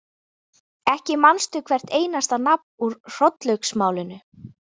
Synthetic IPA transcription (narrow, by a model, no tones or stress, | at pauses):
ɛhcɪmanst̪ʏkʰvɛr̥t̪eːjnast̪anap̚nuɾr̥ɔt̪lœɥksmaːwlɪnʏ